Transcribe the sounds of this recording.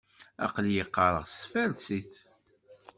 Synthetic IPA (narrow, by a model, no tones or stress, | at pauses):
ɑ̰qljəqːɑɾˤəʁsfæɾt͡siθ